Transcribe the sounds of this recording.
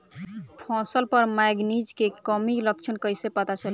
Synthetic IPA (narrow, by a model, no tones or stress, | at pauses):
pʰɔ̃səlpəɾmajɡnid͡ʒkekəmilək̚t͡ʃʰənkəjsepət̪at͡ʃəl